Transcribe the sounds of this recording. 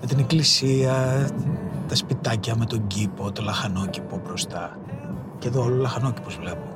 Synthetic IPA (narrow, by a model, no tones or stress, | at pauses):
met̪ineklisiɐ | t̪ɐspit̪ɐcɐme̞t̪o̞ɲɟipo̞t̪o̞lɐxɐno̞cipo̞bɾo̞st̪ɐ | ceðoololɐxɐno̞ci̥pozvle̞po